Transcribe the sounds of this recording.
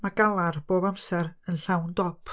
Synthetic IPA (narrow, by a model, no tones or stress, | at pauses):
maɡalˠarb̥oːbamsɛɾənɬawndɔpʰ